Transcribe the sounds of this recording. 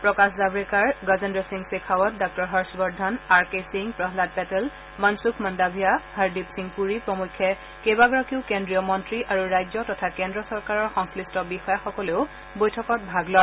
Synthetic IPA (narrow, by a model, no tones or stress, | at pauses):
pɹɔkaszabɹikaɹɡazendɔsiŋsekʰawɔt̚dɔk̚tɔɹɦɔɹsbɔɹdʱanaɹkesiŋpɹɔɦlad̚pɛtɛl | mansukʰmɔndabʱijahaɹdipsiŋpuɹipɹɔmukʰːɛ | kebaɡɔɹɔkiʊkendɹijɔmɔntɹiʔaɹuɹajzɔtɔtʰakendɹɔsɔɹkaɹɔɹxɔŋslistɔbixɔjaxɔkɔleʊ | bojtʰɔkɔt̚bʱaɡlɔ